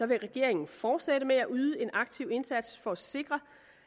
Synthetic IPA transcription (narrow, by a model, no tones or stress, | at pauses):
sɒ̽ʋe̝ʁɛɡ̥e̝ɐe̝ŋn̩fɒːd̥seɾ̥əmeæʔyːð̞ˠəe̝nʔɑ̈ɡ̥̚t͡sʰiʊ̰e̝nsæd̥sfɒ̽æse̝ɡ̥ʁɐ